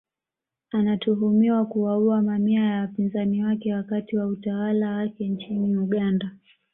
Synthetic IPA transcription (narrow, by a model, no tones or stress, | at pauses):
anatuɦumiwakuwauamamiajawapinzaniwakɛwakatiwautawalawakɛnt͡ʃiniuɠanda